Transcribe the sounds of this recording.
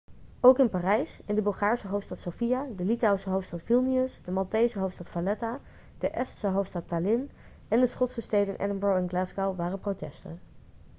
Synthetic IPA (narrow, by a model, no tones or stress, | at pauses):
owkɪnpaːrɛjsɪndəbɵlˠχaːɹsəɦowftstɑtsofijadəlitawsəɦowftstɑtfilˠniəsdəmɑlˠtejsəɦowftstɑtfalɛta | d̥əʔɛstsəɦowftstɑtːalɪn | ɛndəsχɔtsəstejdənɪnʔɛ̰dəmbɹowɛnɡlasɡawʋaːrəprotɛstə̰n